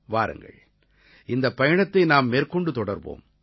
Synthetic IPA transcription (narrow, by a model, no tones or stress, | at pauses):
ʋaːɾɯ̰ŋɡɐ̰ɭ | ɪnd̪ɐpːɐjɐɳɐt̪ːɐɪnaːmːeːɾkɔɳɖɯt̪ɔɽɐɾʋo̰ːm